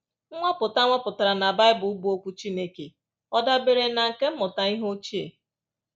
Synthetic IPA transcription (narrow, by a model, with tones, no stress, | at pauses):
ŋʷa˦pʊ˨ta˦ŋʷa˦pʊ˨ta˨ɾa˨na˨ba˦ɪ˦bʊ˨u˦bu˦o˦kʷu˦t͡ʃi˦ne˦ke˨ | ɔ˦da˦be˨ɾe˨na˨ŋ̩˨ke˦m̩˦mʊ˨ta˨i˦ɦo˦t͡ʃi˦ḛ˨